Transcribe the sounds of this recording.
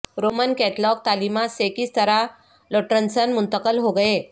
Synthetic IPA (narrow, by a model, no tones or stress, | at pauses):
ɾomənkɛʈlɔk̚t̪alimasekist̪əɾa | loʈɾənsənmʊnt̪əkəlɦoɡəe